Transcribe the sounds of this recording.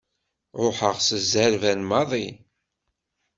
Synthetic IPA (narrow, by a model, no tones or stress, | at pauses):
ɾoħəʁsəzæɾvænmɑðˤi